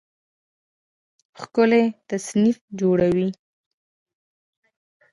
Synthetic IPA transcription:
xkʊlet̪asnifd͡ʒoɽawi

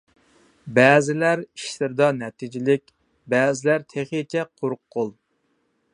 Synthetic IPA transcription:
bɛːzɪlæɾiʃlɪɾd̪ɑnɛt̪ʰid͡ʒɪlɪk̚ʲ | bɛːzɪlæɾt̪ʰeχit͡ʃʰɛqʰoɾqʰːolˠ

